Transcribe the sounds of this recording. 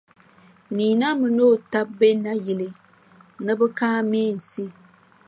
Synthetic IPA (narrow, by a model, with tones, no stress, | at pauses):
niː˨na˦mɨ˨no˦˨ta˦p̚be˦na˦ji˨lɨ˦ | nɨ˦bɨ˦kaː˦mi˦e˦˨n̩˨si˦